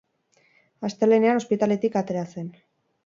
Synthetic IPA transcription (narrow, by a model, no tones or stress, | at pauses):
ast̪e̞le̞neano̞spit̪ale̞t̪ikat̪e̞ɾase̞n